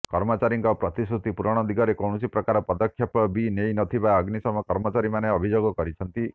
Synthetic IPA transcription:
kɔɾmɔt͡ʃaɾiŋkɔpɾɔt̪isɾut̪ipuɾɔɽ̃ɔd̪iɡɔɾekɔwɽ̃ɔsipɾɔkaɾɔpɔd̪ɔkʰjɔpɔbinejnɔt̪ʰibaəɡnisɔmɔkɔɾmɔt͡ʃaɾimaneɔbʱid͡ʒoɡɔkɔɾit͡ʃʰɔnt̪i

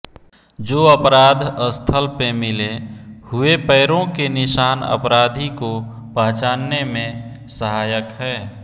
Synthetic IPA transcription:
d͡ʒoːəpɾaːd̪ʱəst̪ʰəlpemɪlehʊepəːɾõkenɪʃaːnə̰pɾaːd̪ʱiko | pəɦt͡ʃaːnːemẽ | səɦaːjəkɦɛː

